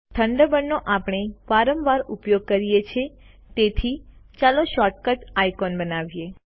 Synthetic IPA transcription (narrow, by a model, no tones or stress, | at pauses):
t̪ʰəɳɖəbənːoʔapɳ̃eʋaɾəmʋaɾupjoɡ̚kəɾijet͡ʃʰe | t̪et̪ʰit͡ʃaloʃɔʈ̚kəʈajkɔnbənaʋije